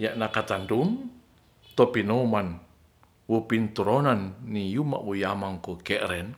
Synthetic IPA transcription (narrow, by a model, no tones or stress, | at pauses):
jaʔnakat̪andum | t̪ɔpinɔman | wopint̪uɾɔnanːijuma̰ʔwojamaŋkɔkɛʔɾɛn